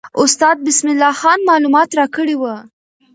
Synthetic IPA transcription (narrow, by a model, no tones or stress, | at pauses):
ʊst̪ɑd̪̚bɪsmɪlːɑxɑnmɑlumɑt̪ɾɑkəɽewə